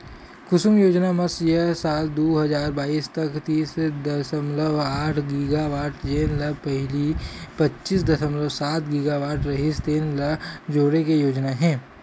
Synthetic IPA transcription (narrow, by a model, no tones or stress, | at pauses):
kʊsʊmjoːd͡ʒnamɐsjəsaːld̪oːɦɐzaːɾbaːiːst̪ɐkt̪iːsd̪ɐsəmləʋaːʈʰɡɪɡaʋaːɾʈd͡ʒeːnlɐpɛɦlipɐtːʃisd̪ɐsəmləʋsaːt̪ɡɪɡaʋaːʈɾɐɦist̪eːnlɐd͡ʒoːɽekejoːd͡ʒnaɦɛ̃ː